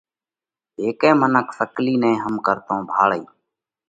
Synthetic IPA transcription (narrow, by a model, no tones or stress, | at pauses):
ɦeːkɛ̃ːmənəksəkliːnẽːɦəmkəɾt̪õːbʱaːɭəiː